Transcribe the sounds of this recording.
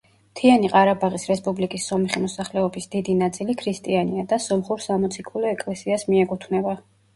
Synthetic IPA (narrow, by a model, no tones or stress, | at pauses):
t̪ʰianiqʼaɾabaʁisɾɛspʼublikʼisːɔmɛχimɔsaχlɛɔbisd̪̥id̪inat̪sʼilikʰɾist̪ʼianiad̪asɔmχuɾsamɔt̪sʰikʰulɛɛkʼlɛsiasmiɛkʼut̪ʰvnɛba